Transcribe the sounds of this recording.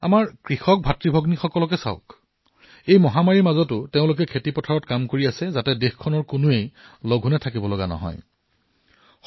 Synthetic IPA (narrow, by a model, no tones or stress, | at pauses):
a̰maɹkɹixɔk̚bʱatɹibʱɔɡnixɔkɔlɔk̬ɛsa̰ʊk | ejmɔɦamaɹiɹmazɔtʊteʊ̃lʊk̬ɛkʰetipɔtʰaɹɔtkamkoɹiasɛzatɛdexkʰːɔnɔɹkʊnʊejloɡʱunɛtʰakibɔlɔɡanɔ̰ɦɔ̰j